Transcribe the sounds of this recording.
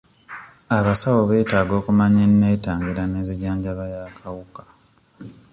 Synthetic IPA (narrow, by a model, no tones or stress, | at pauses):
aβasawoβe̞ːtaːɡo̞ːkumaɲenːeːtaːŋɡiɾaneːziɟaːɲɟaβajaːkʰawukḁ